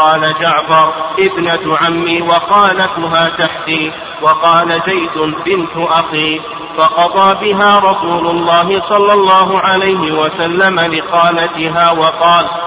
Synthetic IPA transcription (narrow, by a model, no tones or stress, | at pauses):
qɑːlad͡ʒaʕfɑɾˤʔɪbnat̪ʊʕamːiːwɑxɑːlat̪ʊɦaːt̪aħt̪iː | wɑqɑːlazajd̪ʊbɪnt̪ʊʔaxiː | fɑqɑd̪ˤɑːbɪɦaːɾˤɑsuːlʊlˤːɑːɦɪsˤɑlːɑlˤːɑːɦʊʕalajɦɪwasalːamalɪxɑːlat̪ɪɦaːwɑqɑːl